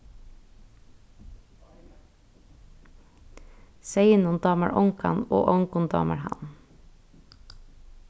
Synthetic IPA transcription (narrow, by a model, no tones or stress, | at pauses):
seɪnʊnd̪ɑːməɹʔɔŋkɑ̰no̰ːʔɔŋkʊnd̪ɑ̰ːməɹhɑ̰n